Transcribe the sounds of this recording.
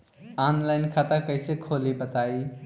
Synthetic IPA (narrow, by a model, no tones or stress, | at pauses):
anlaɪnkʰat̪əkəɪsekʰolibət̪ai